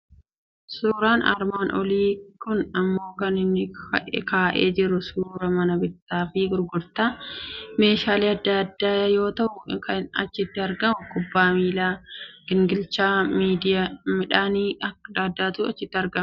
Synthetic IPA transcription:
suːɾaːnɐ̰ɾmaːnʔɔ̰liːkʊnɐmːo̞ːkɐnɪnːɪkaːʔḛːd͡ʒɪɾʊsuːɾɐmɐnɐbɪt̪ːaːfɪɡʊɾɡʊɾt̪aːme̞ːʃaːleːɐd̪ːad̪ːaːjɐjo̞ːt̪ɐʔʊkɐɐt͡ʃːɪt̪ːɐɾɡɐmʊkʊbːaːmiːlaːɡ̥ɪŋɡɪlt͡ʃaːmiːd̪ɪjamɪᶑaːniːɐd̪aːd̪ːaːt̪uɐ̰t͡ʃːɪt̪ːɪɐɾɡɐm

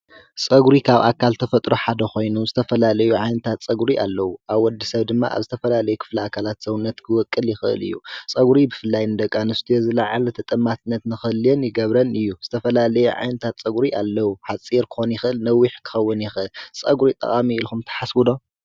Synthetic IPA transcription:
sʼɐɡɾikʰaβʔa̰kʰalt̪ʰɐfɐt̪ʼɾoħad̪ɐxo̞jnuzɨt̪ʰɐfɐlalɐjuʕajnɐt̪ʰat̪t͡sʼɐɡɾiʔalːɐwuʔaβwɔd̪ːisɐβd̪ɨmːa̰ʔa̰βzɨt̪ʰɐfɐlalɐjukʰɨ̥fliakʰalat̪sɐwunːɐt̪kʰɨwɔkʼːɨljɪxɨʔɨ̰lɨ̰jːusʼɐɡɾibɨfɨlːajnɨd̪ɐkʼːanɨst̪ʰujozɨlaʕalɐt̪ʰɐt̪ʼɨmːat̪ʰɨnːɐt̪nɨxɨljenjɪɡɐβɾɐnɨjːuz̥ɨt̪ʰɐfɐlalɐjuʕa̰jnɐt̪ʰat̪t͡sʼɐɡɾiʔa̰lːɐwuħat͡sʼiɾkʰɨ̥xonjɪxɨʔɨlnɐwːiħkʰɨ̥xɐwːɨnjɪxɨʔɨlsʼɐ̰ɡɾit̪ʼɐ̰χʼamiilxumt̪ʰɐ̥ħaswɨd̪o̞

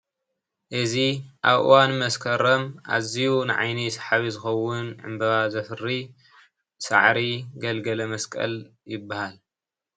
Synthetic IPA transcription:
ʔɨziʔaβʔɨ̰wanmɐskʰɐɾɐmʔa̰zijunɨʕa̰jnisḁħaβizɨxɐwʊnʕɨ̰mbɐβazɐfɨri | sa̰ʕɾiɡɐlɡɐlɐmɐskʼɐ̰ljɪbːahal

